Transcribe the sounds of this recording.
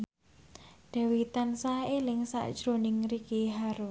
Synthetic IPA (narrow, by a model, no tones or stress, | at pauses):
d̪̥a̤wit̪ansaelɪŋsa̰ʔd̥ʒ̥ɾonɪŋrikiɦaɾʊs